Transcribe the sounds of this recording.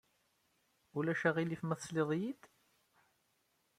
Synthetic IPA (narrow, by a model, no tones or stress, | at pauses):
ulæʃæʁilifmæθsleðˤjid̪